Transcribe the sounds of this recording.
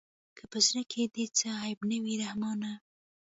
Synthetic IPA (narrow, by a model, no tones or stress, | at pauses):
kʰəpəznəkʰed̪et͡səajɪbnəwiɾahmɑna